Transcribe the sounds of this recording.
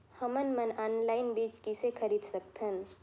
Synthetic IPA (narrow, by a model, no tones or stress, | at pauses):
həmənmənaːnlaːɪnbiːt͡ʃkisekʰəɾiːd̪səkt̪ʰɦən